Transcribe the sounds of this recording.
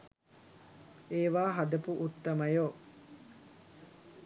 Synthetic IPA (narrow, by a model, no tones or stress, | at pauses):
eːʋaːɦɐd̪ɐpuʔut̪ːɐmɐjoː